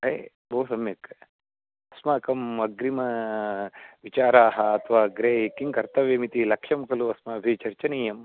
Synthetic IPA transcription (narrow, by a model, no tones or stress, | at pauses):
ɦɐj | bʱoːsɐmjɐk | ɐsmɐkɐmɐɡɾimɐ | ʋit͡ʃaːɾaːɦɐɐt̪ʰʋaːɡɾeːkiŋkɐɾt̪ɐʋemit̪ilɐkʃɐmkɐluɐsmɐːbʱit͡ʃɐɾt͡ʃɐniːjɐm